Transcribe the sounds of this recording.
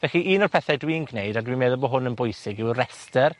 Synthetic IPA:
vɛɬiʔiːnɔrpʰɛθɛdwiːnɡnejdadwimeːðɔbɔɦʊnənbʊjsɪɡɪwrɛstər

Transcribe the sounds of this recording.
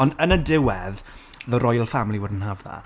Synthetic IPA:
ɔndənədɪwɛð | ðəɾɔjlˠfamlˠiwədn̩ɦavða̰

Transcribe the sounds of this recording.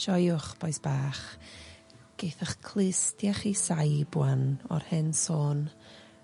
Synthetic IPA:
ʃɔjʊχb̥ɔjsb̥aːχ | ɡ̥ejθaχkʰlˠɪstjaχisajbwanɔ̰rhɪnsoːn

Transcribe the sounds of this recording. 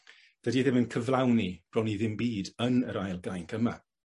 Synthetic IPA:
d̥ədiðɪmənkʰəvlˠawnib̥rɔniðɪmbiːdənəɾajlˠɡajnkʰəma̰

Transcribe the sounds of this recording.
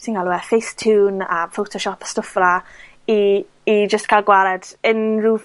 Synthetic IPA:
sinkalˠuɛfejstʰuːnafowtʰɔʃɔpʰḁstʊfvla | iː | d͡ʒəstkʰajlˠɡwaɾɛdənruːv

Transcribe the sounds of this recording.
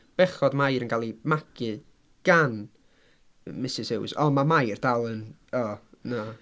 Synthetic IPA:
b̥ɛχɔdmajɾənɡalˠimakʰɨ | ɡ̥an | mɪsɪsɪwsɔmamajrd̥alˠən | ɔna

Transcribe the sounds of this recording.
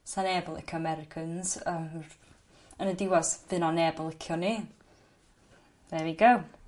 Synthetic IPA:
sanɛːbəlˠɪ̰kʰəmɛɾɪkʰənzəm | ənədɪwɔsvɨnɔnɛblˠɪkʰjɔni | ɛviɡəw

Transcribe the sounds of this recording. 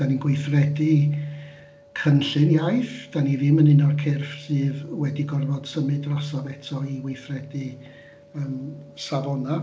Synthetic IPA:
d̥aninɡwejθrɛdɨ | kʰənɬɨnjajθd̥anivɪmənɪnɔrkʰɪrfsɨːðwɛdiɡɔrvɔd̥səmɨdrasavɛtʰɔiwejθrɛdɨ | əːmsavɔna

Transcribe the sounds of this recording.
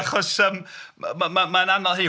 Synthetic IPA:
χɔsəːmmamamaənanɔlˠɦiː

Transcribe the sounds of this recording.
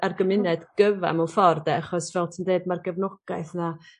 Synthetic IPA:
arɡəmɪnɛdɡ̥əva̰mɔfɔrdɛaχɔsvɛlˠtʰəndeɨdmarɡɛvnɔɡ̥ajθna

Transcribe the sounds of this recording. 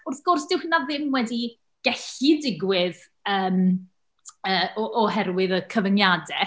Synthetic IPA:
ʊrθɡ̥ʊrsd̥ɪwhnaðɪmwɛdi | ɡ̥ɛɬidɪɡwɪð | əːm | əːɔʔɔɦɛɾwɪðəkʰəvənjadɛ

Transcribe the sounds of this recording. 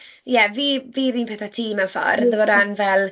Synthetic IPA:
jɛviːviːɾiːnpʰɛːθatʰiːmawfɔ̰rðəvoːdanvɛlˠ

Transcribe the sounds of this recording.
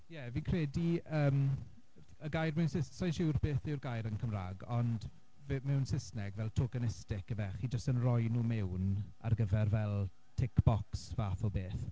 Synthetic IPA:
jɛviːnkʰrɛːdiəːm | əɡajrmɛwnsɪssajnʃɪwrb̥eːθɪwrɡajɾənkʰəmra̰ːɡɔnd | vmɛwnsɪsnɛɡvɛlˠtʰoːɡanɪstɪkəvɛχid͡ʒəstənrɔjnuːmɛwn | a̰rɡəvɛrvɛlˠ | tʰɪkb̥ɔksvaːθɔbeːθ

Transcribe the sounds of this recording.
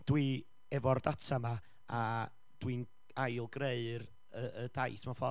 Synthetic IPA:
d̥wi | ɛvɔrdatʰama | a | d̥win | ajlˠɡreɨr | əəd̥ajθmafɔ

